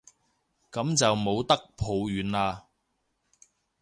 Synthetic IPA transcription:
kɐ˨˥mt͡sɐ˨wmo˨˧wt̪ɐ˥k̚pʰo˨˧wjyː˨˧˥nlaː˧

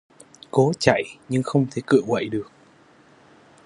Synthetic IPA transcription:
ko˨˦t͡ɕa̰˧˨jɲɨ˧ŋxə˧wŋ͡mt̪ʰe˨˩˦kɨ̰˧˨əwə̰˧˨jɗɨ˨˩ək̚

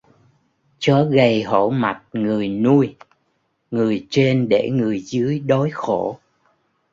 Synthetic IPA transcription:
t͡ɕɔ˨˦ɣə˨˩jɦo˧˩ma˨˩t̚ŋɨ˨˩əjnu˧j | ŋɨ˨˩əjt͡ɕe˧nɗe˧˩ŋɨ˨˩əjzɨ˨˦əjɗo˨˦jxo˧˩

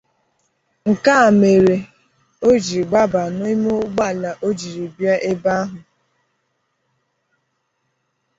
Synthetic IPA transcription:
ŋ̩˨ka˦˨me˨ɾe˨ | o˦d͡ʒi˨ɡ͡ba˦ba˨nʊ˦i˦mo˦ɡ͡ba˦˨la˨ʔo˦d͡ʒi˨ɾi˨bja˦ʔe˦ba˦ɦʊ˨

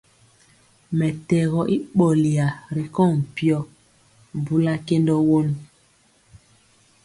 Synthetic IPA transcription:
mɛ˨tɛ˨ɣɔ˨ʔi˦ɓo˨li˨a˨ɾi˨kɔ˦˨m̩˨pi˦ɔ˦ | m˨bu˦la˦ke˦ndɔ˦wo˦n˦

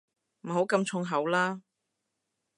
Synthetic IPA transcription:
m̩˨˩ɦo˨˥wkɐ˧mt͡ʃʰʊ˧ŋɦɐ˨˥wlaː˥

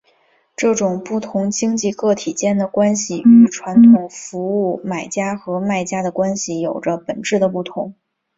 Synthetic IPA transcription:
ʈ͡ʂɤ˥˩ʈ͡ʂʊ˨˩ŋpu˥˩t̪ʰʊ˧˥ŋt͡ɕi˥ŋt͡ɕi˥˧kɤ˥˩t̪ʰi˨˩t͡ɕjɛ˥nd̪ə˨˩kwa˥nɕi˨˩y˧˩ʈ͡ʂʰwa˧˥nt̪ʰʊ˨˩ŋfu˧˥u˥˩ma˨˩ɪt͡ɕja˥xɤ˧˥ma˥˩ɪt͡ɕja˥d̪ə˨kwa˥nɕi˨˩jo˨˩ʊʈ͡ʂə˦pə˨˩nʈ͡ʂɻ̩˥˩d̪ə˩pu˥˩t̪ʰʊ˧˥ŋ

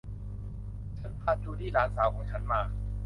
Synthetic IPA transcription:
t͡ɕʰa˦˥npʰaː˥˩t̪̚t͡ɕʰuː˧˩t̪ʰiː˥˩ɾaː˨˦˥nsaː˨˩˦wkʰɔː˩˦ŋt͡ɕʰa˦˥nmaː˧˩

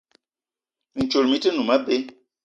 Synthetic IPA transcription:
n̩˨t͡ʃo˨lmi˦tə˦nu˨mə˦be˦

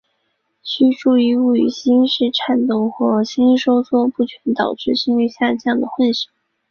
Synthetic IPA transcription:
t͡ɕʰy˥ʈ͡ʂu˥˩i˥˧u˥˩y̰˨˩ɕi˥nʂɻ̩˥˩ʈ͡ʂʰa˥˩nt̪ʊ˥˩ŋxwɔ˥˩ɕi˥nʂo˥ʊswɔ˥pu˥˩t͡ɕʰɥɛ˧˥nt̪ɑ˨˩ʊʈ͡ʂɻ̩˥˩ɕi˥ŋy˥˧ɕja˥˧t͡ɕjɑ˥˩ŋd̪ə˩xwə˥˩nɕi˨˩˦ŋ

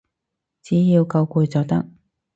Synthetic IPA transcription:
t͡siː˨˥jiː˧wkɐ˧wkuː˨˧jt͡sɔː˨˧k̚t̪ɐ˥k̚

